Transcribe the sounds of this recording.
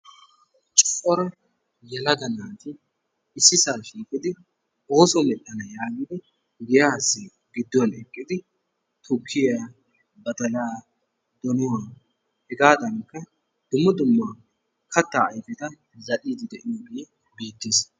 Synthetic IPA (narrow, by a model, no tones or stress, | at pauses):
t͡ʃʼʊ̥fʼɔɾɐ | jɛlɐd̪ɐnaːt̪ɪ | ɪsːɪsaːʃiːkʼːɪd̪ɪ | oːsɔmɛɗːɐnɐjaːɡɪd̪ɪ | ɡɪjasːɪ | ɡɪd̪ːɔnɛkʼːɪd̪ɪ | t̪ʰʊkʰːɪja | bɐt̪ɐlaː | d̪ɔnɔwa | hɛɡaːd̪ɐnkːɐ | d̪̥ʊmːɐd̪ʊmːa | kʰɐt̪ːaːjfɛt̪ɐ | zɐɗiːd̪ɪd̪ɛʔɪjoɡe | biːt̪ːis